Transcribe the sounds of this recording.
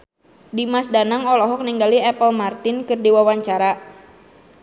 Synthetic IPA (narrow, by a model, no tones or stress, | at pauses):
dimasdanaŋɔlɔɦɔk̚niŋɡaliɛpəlmart̪ɪnkɨrdiwawaɲt͡ʃaɾa